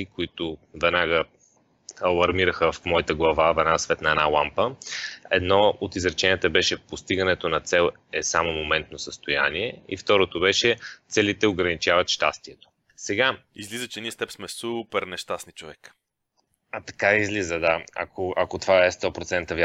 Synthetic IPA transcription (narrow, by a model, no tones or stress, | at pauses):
ikoit̪ʊvɛd̪naɡə | ɐlˠɐɾmiɾəxəfmɔit̪əɡlˠɐvavɛd̪nasvɛt̪nəɛnalˠampəɛ̰d̪nɔot̪izɾɛt͡ʃɛnʲiət̪əbɛʃɛpost̪iɡənɛt̪onɐt̪sɛlˠ | ɛsamomomɛnt̪nosəst̪oja̰niɛḭft̪ɔɾot̪obɛʃɛt̪sɛlit̪ɛoɡɾɐnit͡ʃavɐt̪ʃt̪ast̪iɛt̪o̥ | sɛɡaizlizət͡ʃɛniɛst̪ɛpsmɛsupɛɾnɛʃt̪asnit͡ʃovɛk | ɐt̪ɐ̥kaizlizəd̪aɐ̰kʰoɐkot̪vaɛst̪ɔpɾot̪sɛnt̪əvʲja